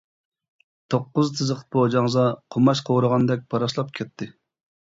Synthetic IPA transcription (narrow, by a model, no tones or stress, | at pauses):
t̪ʰoqːʊzt̪ʰɨzəq̪bod͡ʒɑŋzɑqʰomɑʃqʰoɾəʁɑnd̪ɛk̚ʲb̥ɑɾɑʃlˠɑp̚kʲʰɛt̪ʰːɪ